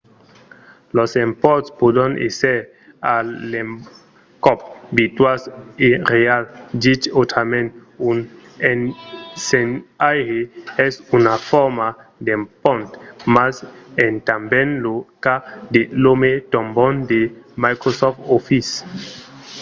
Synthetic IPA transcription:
lɔsempɔɾt̪spod̪ãnʔḛsɛɾ | alem | kɔp̚bit̪waseɾealdit͡ʃot̪amẽnun | ɛnsenajheɛsunafɔɾmad̪empɔ̃nt̪masent̪ambɛ̃nlokad̪elomet̪ɔ̃mbɔ̃nd̪emajkɾosɔft̪ofis

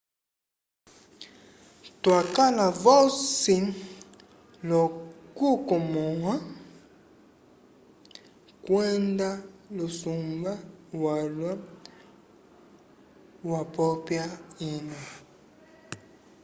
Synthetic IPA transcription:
twakalavɔsin | lɔkukɔmɔwa | kwɛndalosumbawalwa | wapɔpjaina

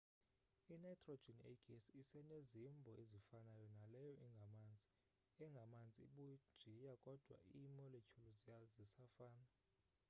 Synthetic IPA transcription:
inajtʰʼro̥d͡ʒʱɛnḛɡʼɛnsisɛnezimbʱɔʔezifanajɔnalɛjɔʔiŋɡʱamand͡zʱi | ɛŋɡʱamand͡zʱʼiɓu̥ʒ̥ʱijakʼɔd̥ʱwa̰imɔlet͡ʃʰuluzijazisafaːna

